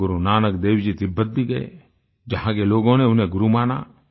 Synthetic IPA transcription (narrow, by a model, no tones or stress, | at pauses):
ʊɾunaːnəkd̪eːwd͡ʒit̪ɪbːət̪̚biɡɐḛ | d͡ʒɐɦãkeloːɡõneʊnẽɡʊɾumaːna̰ː